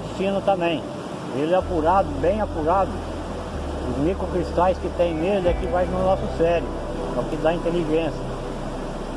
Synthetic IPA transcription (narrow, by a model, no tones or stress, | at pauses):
sĩnɐt̪ɐ̃mẽj̃ | elɛapuɾad̪ʊbẽj̃apuɾad̪ʊ | ʊzmikokɾist̪ajskɪt̪ẽj̃med̪ʊɛkɪvajnʊnɔsʊsɛɾjʊ̰ | ɐwkɪd̪aĩnt̪eliʒẽsjɐ